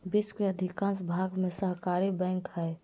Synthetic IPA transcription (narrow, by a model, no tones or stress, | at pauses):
biskeəd̪ʱikãːnsbʱaɡmẽsəɦkaɾibɛ̃ŋkɦəj